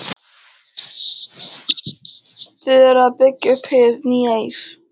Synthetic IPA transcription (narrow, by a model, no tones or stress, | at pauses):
θɪðɛɾaðpɪcːʏpʰɪɾniːejs